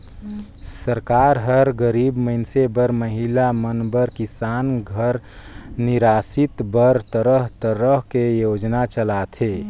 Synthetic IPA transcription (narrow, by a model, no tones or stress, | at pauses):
səɾkaːɾɦəɾɡəɾibməɪnsebəɾməɦilamənbəɾkisaːnɡʱəɾniɾaːsit̪bəɾt̪əɾəɦt̪əɾəɦkejod͡ʒnat͡ʃəlat̪ʰe